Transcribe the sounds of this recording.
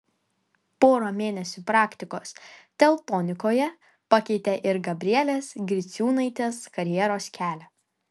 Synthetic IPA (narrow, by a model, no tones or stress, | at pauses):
poːɾoːmʲeːnʲɛsʲuːpɾɑːkʲt̪ʲɪkoːst̪ʲɛlˠt̪oːnʲɪkoːjɛ | pɑkʲɛɪt̪ʲeʔɪɾɡɐbʲɾʲiɛlʲesɡʲɾʲɪt̪sʲuːnɐɪt̪ʲeːskɐɾʲjɛɾoːskʲæːlʲɛ